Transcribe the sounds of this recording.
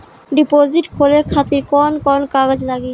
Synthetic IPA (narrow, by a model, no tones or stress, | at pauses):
ɖipod͡ʑiʈkʰolekʰat̪iɾkɔnkɔnkaɡad͡ʑlaɡi